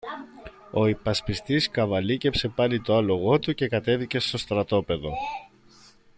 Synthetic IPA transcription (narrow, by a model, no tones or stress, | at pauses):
o̞ipɐspist̪iskɐvɐlice̞pse̞pɐlit̪o̞ɐlo̞ɣo̞t̪uce̞kɐt̪e̞ðice̞st̪o̞st̪ɾɐt̪o̞pe̞ðo̞